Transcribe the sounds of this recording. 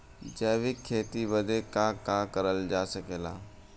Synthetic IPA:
d͡ʒəːʋɪkʰːeːt̪iʋəd̪ekakaːkəɾəld͡ʒaːsəkeːla̰ː

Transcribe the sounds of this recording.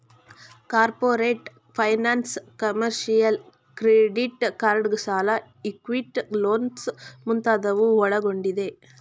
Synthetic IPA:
kaːɾpoːɾeːʈ | fʰɐjnaːnskɐmɐɾʃɪjɐl | kɾeːɖiʈkaːɾɐɽɡɯsaːlɐ | ɪkʋiʈloːnsmʊnt̪aːðɐʋɯɔɭɐɣɔɳɖiðeː

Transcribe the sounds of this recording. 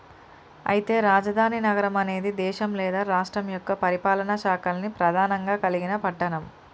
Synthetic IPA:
ɐ̰jit̪e̞ːɾaːd͡ʒɐd̪ʱaːninɐɡɐɾɐmɐne̞ːd̪id̪ɛːʃɐmlɛːd̪aːɾaːʂʈɾɐmjɔkːɐpɐɾipaːlɐnɐʃaːkɐlnipɾɐd̪ʱaːnɐŋɡaːkɐliɡinɐpɐʈːɐɳɐm

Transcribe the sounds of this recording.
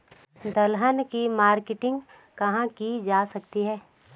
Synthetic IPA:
d̪ɐlɦənkimaːɾkɪʈɪ̃ŋɡ | kɐɦãkid͡ʒaːsɐkt̪iɦɛː

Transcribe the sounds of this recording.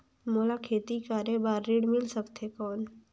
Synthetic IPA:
moːlakʰeːt̪ikaːɾjebaːɾːiːɽmɪlsəkt̪ʰekɔːn

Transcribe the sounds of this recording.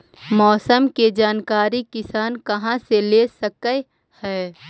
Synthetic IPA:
mɔːsəmked͡ʒaːnkaːɾikɪsaːnkɐɦãseleːsəkə | hɛː

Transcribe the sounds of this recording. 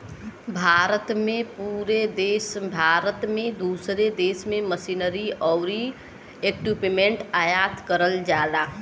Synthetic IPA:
bʱaːɾət̪mẽpuɾed̪eːsbʱaːɾət̪mẽd̪uːsɾed̪eːsmẽməsinəɾiɔʊɾi | ekupimẽɳʈaːjaːt̪kəɾəld͡ʒaːd̪aː

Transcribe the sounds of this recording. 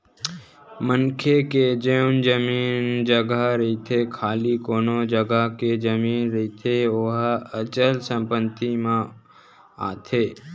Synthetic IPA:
mənkʰeked͡ʒend͡ʒəmiːnd͡ʒəɡəɾɐɦit̪ʰekʰaːlikoːnod͡ʒəɡəked͡ʒəmiːnɾɐɦit̪ʰeoɦət͡ʃəlsə̃mpənt̪imaẽ | a̰ːt̪ʰeː

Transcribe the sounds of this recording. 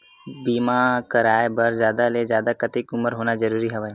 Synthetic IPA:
biːmakəɾaːebɐɾzjaːd̪alezjaːd̪akɐt̪ikʊməɾɦoːnazɐɾuːɾiɦɛʋa

